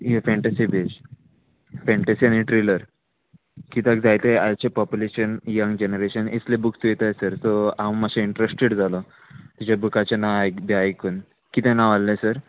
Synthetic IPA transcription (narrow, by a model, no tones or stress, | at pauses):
ɦefɛ̃ɳʈesibʱed͡ʑ | fɛ̃ɳʈesianiʈɾiləɾ | kit̪aɡd͡zajt̪eajt͡ɕepɔpjuleɕənjəŋɡd͡ʑenəɾeɕənit͡slebuksujt̪əjsəɾt̪ɔãmməseiɳʈɾesʈeɽd͡zalɔ | t̪it͡ɕd͡ʑabukat͡ɕenajb̪aajkuːn | kit̪ẽnaʋalːesəɾ